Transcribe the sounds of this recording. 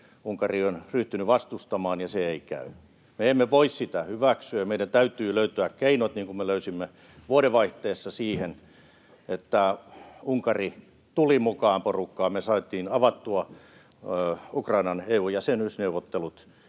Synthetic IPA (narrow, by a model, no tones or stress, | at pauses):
uŋkɑrionryht̪ynyʋɑst̪ust̪ɑmɑːnjɑseeikæ̰y | meemːeʋoissit̪æhyʋæksyæjɑmeidænt̪æyt̪yːløyt̪øækkeinot̪niːŋkumeløysimːe | ʋuoɾeʋɑiht̪eːsːɑsiːhen | et̪ːæuŋkɑri | t̪ulimukɑːmporukːɑːmesɑːt̪ˑiːnɑʋɑt̪ːuɑ | ukrɑinɑneuːjɑsenysneuʋot̪ːelut̪